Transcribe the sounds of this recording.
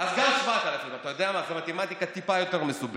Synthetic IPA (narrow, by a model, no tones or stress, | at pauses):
azɡamʃvat̪alafimat̪ajo̞d̪eamazemat̪emat̪ikat̪ipajo̞t̪e̞ʁmesub